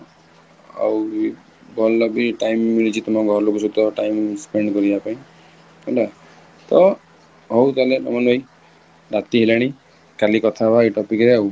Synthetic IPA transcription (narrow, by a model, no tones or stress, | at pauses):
a̰w | ɡʱɔlːɔbiʈajmːilit͡ʃʰit̪ɔmɔɡʱɔɾlokusut̪ɔʈajmspeɳɖkɔɾibapaĩ | ɔda | t̪ɔ | ɦɔwt̪alenɔmɔnbaj | ɾat̪iɦilaɽ̃i | kalikɔt̪ʰabaeʈɔpikɾeaw